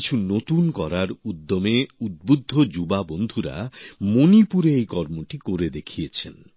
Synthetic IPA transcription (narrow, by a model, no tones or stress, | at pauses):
it͡ɕʰunot̪unkɔɾaɾud̪ːomeud̪̚bud̪ʱːod͡ʒubabond̪ʱuɾa̰monipuɾeejkɔɾmoʈikoɾed̪ekʰijet͡ɕʰen